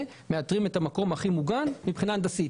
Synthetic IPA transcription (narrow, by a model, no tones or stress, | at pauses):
me̞atʁime̞tamako̞mhaχimuɡanmipχinand̪asi